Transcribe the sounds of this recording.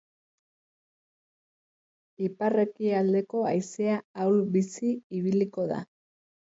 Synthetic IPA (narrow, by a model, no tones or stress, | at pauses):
iparekiald̪e̞ko̞ajseaawlbisiiβ̞iliko̞ða̰